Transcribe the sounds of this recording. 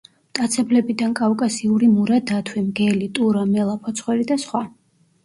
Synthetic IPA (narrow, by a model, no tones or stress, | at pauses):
t̪ʼat̪sʰɛblɛbid̪ankʼawkʼasiuɾimuɾad̪at̪ʰwɛmɡɛlit̪ʼuɾamɛlˠapʰɔt̪sʰχwɛɾid̪asχwa